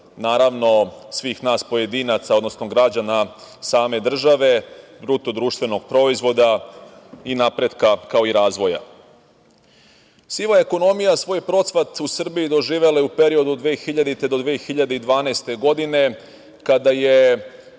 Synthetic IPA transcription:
naːɾaʋno̞sʋiːxnaːspo̞je̞d̪iːnat̪saod̪no̞snoɡɾad͡ʑanasaːme̞d̪r̩ʒaʋe̞bɾut̪od̪ɾuːʃt̪ʋe̞no̞ɡ̚pɾo̞izʋo̞d̪a | inapɾe̞d̪kakaoiɾaːzʋo̞ja̰ | siʋaeko̞no̞mijasʋo̞jpɾo̞t̪sʋat̪usr̩bijid̪o̞ʒiːʋe̞laupe̞ɾio̞d̪ud̪ʋeːxiʎad̪it̪e̞d̪o̞d̪ʋeːxiʎad̪eid̪ʋaːnaːst̪e̞ɡo̞d̪ine̞ | kad̪aje̞

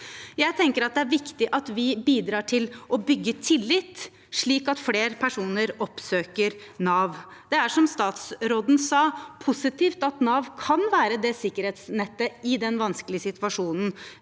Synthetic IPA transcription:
jæɪt̪ʰɛŋkəɾɑt̪̚d̪ɛæɾʋɪkt̪ɪʔɑt̪ʋɪbiːd̪ɾɑːʈʰɪlʔɔbʏɡːət̪ʰɪlːɪt̪ː | ʂɭiːkɑt̪fleːɾpʰæʂuːnəɾɔpsøːkəɾnɑːʋ | d̪ɛæʂɔmst̪ɑːt̪sɾoːd̪n̩sɑːpʰʊsɪt̪iːft̪ɑt̪nɑːʋkʰɑnʋæːɾəd̪ɛsɪkːəɾheːt̪snɛt̪ːəɪd̪ɛnʋɑnsklɪəsɪt̪ʋɑʂuːnn̩

